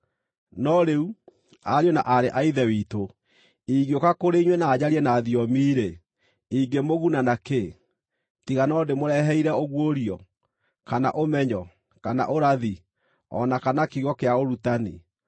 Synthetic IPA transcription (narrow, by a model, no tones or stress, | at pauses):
nɔɾeu | aɾjona̰ʔaɾeʔaiðɛwiːto | iɣokakoɾeiɲwɛnaːd͡ʑaɾiɛnaːðijɔmiːɾe | iɡemoɣunanake | tiɣanɔdemoɾɛɦɛiɾɛoɣwoɾiɔ | kana̰ʔomɛɲɔ | kana̰ʔoɾaði | ɔ̰nakanakiɣɔkeaoɾutanḭ